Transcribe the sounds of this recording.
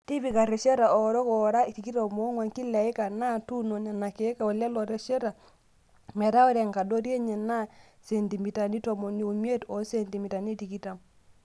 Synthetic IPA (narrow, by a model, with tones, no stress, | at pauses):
ti˦pi˨ka˨ɾɛ˨ʃe˦ɾa˨ɔ˨ɾɔ˦kɔ˨ɾa˦i˨ti˨ki˦to˨mo˦ŋwa˨ŋki˦lɛ˨i˦ka˨na˦tu˦no˨ɲa˨na˨ke˨˦ka˨ɔ˨la˦lɔ˨ɾɛ˨ʃe˦ɾa˨ | mɛ˨ɾa˦ɔ˦ɾɛ˨ŋka˨do˦ɾje˦ɲɛ˨na˦ | se˨nti˨mi˨ta˨ni˦tɔ˨mo˨ni˦u˨mje˦tɔ˨˦se˨nti˨mi˨ta˨ni˦ti˨ki˦ta˨m